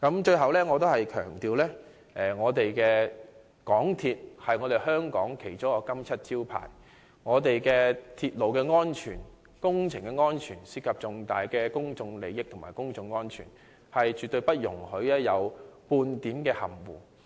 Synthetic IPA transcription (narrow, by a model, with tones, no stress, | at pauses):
kɐ˨˥mt͡ʃɵ˧ɥɦɐ˨wlɛː˥ŋɔː˨˧t̪o˥whɐ˨jkʰœ̰ː˨˩ŋt̪iː˨˧wlɛː˥ | ɛ˨ŋɔː˨˧t̪e˨jkɛː˧ | kɔː˨˥ŋt̪ʰiː˧t̚hɐ˨jŋɔː˨˧ɾe˨jhœː˥ŋkɔː˨˥ŋkʰe˨˩jt͡sʊ˥kɔː˧kɐ˥mt͡sʰɐ˥t̚t͡siː˥wpʰa̰ː˨˩j | ŋɔː˨˧t̪e˨jkɛː˧t̪ʰiː˧t̚lo˨wkɛː˧ŋɔː˥nt͡ʃʰyː˨˩n | kʊ˥ŋt͡sʰɪ˨˩ŋkɛː˧ŋɔː˥nt͡ʃʰyː˨˩nsi˥kʰːɐ˨p̚t͡sʊ˨ŋt̪aː˨jkɛː˧kʊ˥ŋt͡sʊ˧ŋle˨˧jɪ˥k̚t̪ʰmaː˨˩kʊ˥ŋt͡sʊ˧ŋːɔː˥nt͡ʃʰy̰ː˨˩n | hɐ˨jt͡ʃyː˨t̪ɵ˧ɥpɐ˥t̚jʊ̰˨˩ŋhɵ˨˥ɥlɛː˥jɐ˨˧wpuː˧nt̪iː˨˥mkɛː˧hɐ̰˨˩mwṵː˨˩